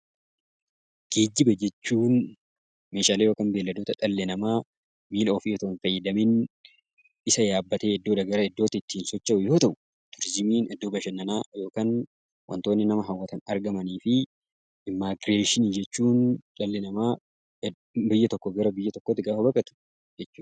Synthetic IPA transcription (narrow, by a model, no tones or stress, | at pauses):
ɡ̥eːd͡ʒːɪbɐd͡ʒɛt͡ʃːuːn | meːʃaːleːjo̞ːkaːnbe̞ːlːɐd̪oːt̪ɐᶑɐlːɛnɐmaː | miːloːfɪjɛt̪ɐʔnfɐjːɐd̪ɐmin | ɪsɐjaːbːɐt̪eːɛd̪ːo̞ːᶑɐɡɐɾɐɛd̪ːo̞ːt̪ɪɪt̪ːiːnsɔt͡ʃːɐʔʊjo̞ːt̪ɐʔʊ | t̪ʊɾɪzɪmiːnʔɛd̪ːoːbɐʃɐnːɐnaːjo̞ːkaːn | wʔɐ̰nt̪o̞ːnːɪnɐmɐɦɐwːɐt̪ɐnɐɾɡɐmɐniːfɪ | ʔɪmːaːɡɾeːʃɪniːd͡ʒɛt͡ʃːuːnᶑɐlːɛnɐmaː | bɪjːɐt̪ɔkːɔɡɐɾɐbɪjːɐt̪ɔkːoːt̪ːɪɡaːfɐbɐkʼɐt̪ʊ̥ | d͡ʒɛt͡ʃːuːᶑ